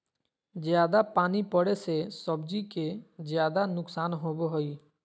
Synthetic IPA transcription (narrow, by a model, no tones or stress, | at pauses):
d͡ʒjaːd̪apaːnipəɽesesəb̚d͡ʒikezjaːd̪anʊksaːnɦoːboɦoiː